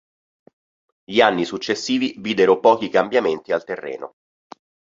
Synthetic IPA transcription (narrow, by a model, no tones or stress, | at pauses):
ʎianːisut͡ʃːesːiːviviːd̪eɾopɔːk̟ikambjament̪ialt̪erːɛ̰ːno̰